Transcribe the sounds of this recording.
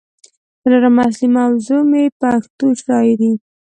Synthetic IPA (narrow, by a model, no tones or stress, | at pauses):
ɾaɾamas̬limawzomepaxt̪oʃɑjd̪i